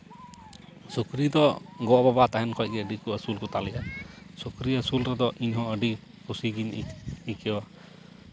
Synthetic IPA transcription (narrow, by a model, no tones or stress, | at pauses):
sukɾid̪ɔɡɔababat̪aɦɛnkʰɔj̚ɡɛəɖikuəsulkɔt̪alɛʔasukɾiəsulɾɛd̪ɔʔiɲɦɔ̃əɖi | kʰusiɡiɲikɛa